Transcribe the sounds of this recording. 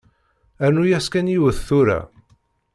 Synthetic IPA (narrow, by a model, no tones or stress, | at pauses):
ænujæskænjiwəθθuɾæ̰